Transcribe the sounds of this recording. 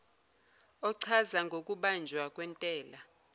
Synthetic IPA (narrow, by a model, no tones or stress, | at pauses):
ɔǀʰazaŋɡʱokʼuɓand͡ʒʱwakʼwɛntʼɛːla